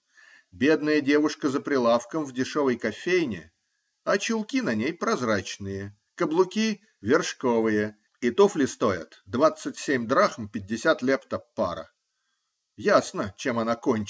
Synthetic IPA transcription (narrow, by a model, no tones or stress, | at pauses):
bʲe̞d̪nəjədʲe̞vʊʂkəzəpɾʲɪlˠafkəmvdʲɪʂovəjkɐfʲejnʲɪ̰ | ɐt͡ɕʊlˠkʲinɐnʲejpɾɐzrat͡ɕnɨjə | kəblˠʊkʲi | vʲɪrʂkovɨjə | ɪt̪uflʲɪst̪ojɪ̰t̪d̪vat̪sɨtʲsʲemʲd̪ɾaxmpʲɪd̚ʲːɪsʲat̪lʲept̪əpːa̰ɾə̰ | jasnət͡ɕemɐnakonʲt͡ɕ